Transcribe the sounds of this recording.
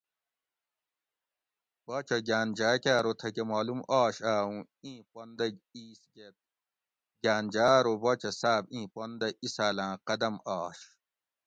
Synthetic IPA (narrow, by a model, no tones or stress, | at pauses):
baːt͡ɕɐɡaːnd͡ʑaːkʲaːɾot̪ʰɐkemaːlumaːɕaːũ | ĩːpond̪ɐiːsɡet̪̚ | ɡaːnd͡ʑaːɾobɐːt͡ɕɐsaːbĩːpond̪ɐisaːlãːqɐd̪ɐmaːɕ